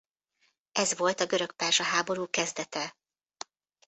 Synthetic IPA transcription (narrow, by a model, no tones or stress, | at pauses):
ɛzʋo̞lt̪ɒɡøɾø̞k̚paːrʒɒɦaːbo̞ɾuːkɛzd̪ɛt̪ɛ